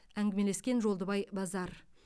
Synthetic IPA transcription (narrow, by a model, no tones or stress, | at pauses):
æŋɡʲɪme̞le̞skʲe̞nʒolˠd̪əbɑjbɑzɑɾ